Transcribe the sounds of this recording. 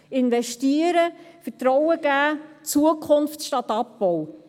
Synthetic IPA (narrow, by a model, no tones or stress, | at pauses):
ɪnʋɛʃtiəɾəfətɾɔwəɡ̥æːt͡suəkʰχʊnftʃtɑtɑpːɔw